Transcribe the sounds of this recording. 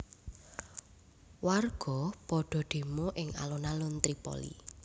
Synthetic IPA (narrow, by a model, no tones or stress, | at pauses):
warɡ̥ɔ̤pɔɖ̥ɔ̤ɖ̪̥e̤moʔɪŋa̰lonalunt̪ɾipɔ̰lḭ